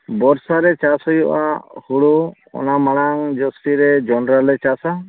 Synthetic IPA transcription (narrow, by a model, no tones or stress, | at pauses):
bɔɾsaɾɛt͡ʃasɔjɔʔa̰huɽu | ɔ̰namaɽ̃aŋd͡ʒɔsʈiɾɛd͡ʒɔnɾalɛt͡ʃasa